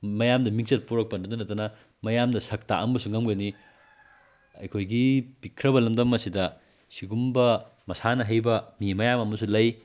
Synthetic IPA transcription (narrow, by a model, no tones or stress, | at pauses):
mɐjamdɐmik̚t͡ʃɐt̚puɾɐk̚pɐndɐdɐnɐtɐnɐ | mɐjamdɐsɐk̚ta̰ʔɐmbɐsuŋɐmɡɐni | ɐ̰jkʰojɡipikʰɾɐβɐlɐmdɐmːɐsidɐ | siɡumbɐ | mɐsanɐɦɐjbɐmimɐjamɐmɐsulɐj